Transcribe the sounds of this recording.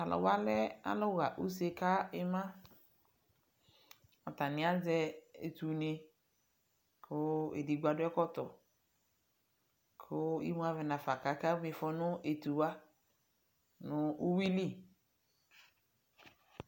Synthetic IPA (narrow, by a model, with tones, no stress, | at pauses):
a˨lɔ̰˨wa˦lɛ˦a̰˨lʊ˦ɣa˨ʔu˦se˦ka˦ɪ˦mã˦ | ɔ˨t̪a˨nɪ̃˨˦a˦zɛ˦ḛ˨t̪u˨nẽ˨ | kʰʊ˦ḛ˨di˨ɡu˦a˨dʊ˦ɛ˦kɔ˦t̪ɔ˨ | kʰʊ˦ḭ˦mũ˦a˦vɛ˨nã˨fa˨ka˨ka˦mɪ̃˨fɔ˦nʊ̃˦e˨t̪u˨wa˦ | nʊ̃˦u˦wi˦li˦˨